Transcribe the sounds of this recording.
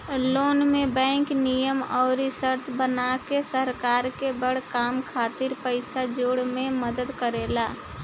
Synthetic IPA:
loːnmẽbɛ̃ːŋknijəmɔːɾisəɾt̪ʰbənakesəɾkaːɾkebəɽ̤kaːmkʰaːt̪ɪɾpəɪsad͡ʒoːɽmẽməd̪əd̪kəɾeːlaː

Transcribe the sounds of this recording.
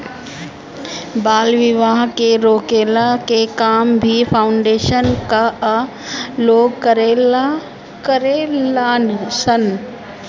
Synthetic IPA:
baːlʋɪʋaːɦkeɾoːkeːlakekaːmbʱipʰaːʊɳɖeːʃənka | loːɡkɐɾel | kɐɾelaːnsən

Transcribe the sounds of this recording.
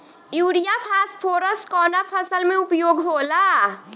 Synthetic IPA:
juɽijapʰaspʰoɾəskɔnapʰəsəlmeupjoɡɦola

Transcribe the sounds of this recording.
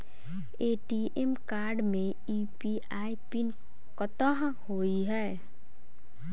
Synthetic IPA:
eːʈiʔemkaːɾɖmẽ | iːpiʔaːipin | kət̪əɦ | hoːiɦɛː

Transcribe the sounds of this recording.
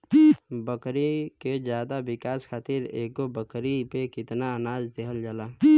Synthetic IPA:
bəkɾiked͡ʒjaːd̪abɪkaːsxʰaːt̪iɾḛːk̚ɡobəkɾipekɪt̪naənaːd͡ʒd̪ekʰəld͡ʒalaː

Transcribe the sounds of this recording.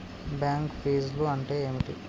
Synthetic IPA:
bjaːŋkpiːzluɐɳʈe̞ːeːmiʈḭ

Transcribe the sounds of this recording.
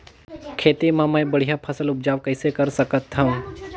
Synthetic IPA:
kʰeːt̪imãmaːjbəɽ̤ijapʰɐsəlʊp̚d͡ʒaːʋkɐɪsekɐɾsəkət̪ɦã

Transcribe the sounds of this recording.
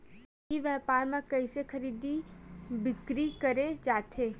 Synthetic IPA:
iʋjɛːpaːɾmẽkɐisexʰɐɾiːd̪ibɪkɾikɐɾed͡ʒaːʈʰeː

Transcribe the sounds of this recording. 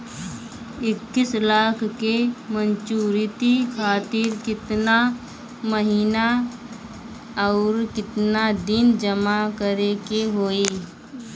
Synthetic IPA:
ɪkːɪslaːkʰkemənt͡ʃuːɾɪt̪ikʰaːt̪ɪɾkɪt̪na | məɦiːna | ɔːɾkɪt̪nad̪ɪnd͡ʒəmakəɾekeɦoːiː

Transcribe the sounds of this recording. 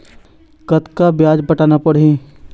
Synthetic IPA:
kɐt̪kabjaːd͡ʒbɐʈaːnapɐɽ̤ẽː

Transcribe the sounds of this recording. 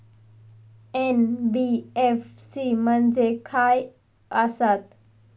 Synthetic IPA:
enbieːfsimənd͡ʑekʰaːj | asat̪

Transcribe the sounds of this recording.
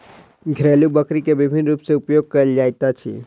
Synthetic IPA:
ɡʱɾelubəkɾikebɪbʱɪnɾuːpseʊpjoɡ̚kəld͡ʒaːjt̪at͡ʃʰḭ

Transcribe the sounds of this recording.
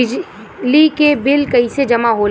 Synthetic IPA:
ɪ | likebɪlkɐised͡ʒɐmaɦoː

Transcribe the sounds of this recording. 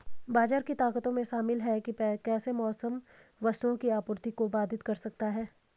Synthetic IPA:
baːd͡ʒaːɾkit̪aːkət̪õmẽʃaːmɪlɦɛkipɛkɛːsemɔːsəm | ʋɐst̪õkiaːpʊɾt̪ikobaːd̪ɪt̪kɐɾsɐk̚t̪aɦɛː

